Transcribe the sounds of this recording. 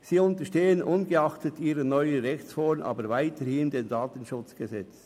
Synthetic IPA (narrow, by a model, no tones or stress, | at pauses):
siːʊntəʃteːənʔʊnɡəɑχtətiːɾənɔʏəʁɛçt͡sfɔɾnʔɑ̰ːbəɾvaɪtəhɪmdeːndaːtən̩ʃʊt͡sɡ̥əzɛt͡s